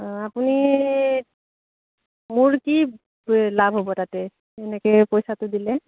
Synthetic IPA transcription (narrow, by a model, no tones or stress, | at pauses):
apuni | muɹki | labʱɦobɔtatɛ | ɛnɛkɛpojsatʊdilɛ